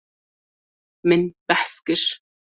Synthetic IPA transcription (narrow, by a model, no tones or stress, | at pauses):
mɪnb̥aħskɪʃ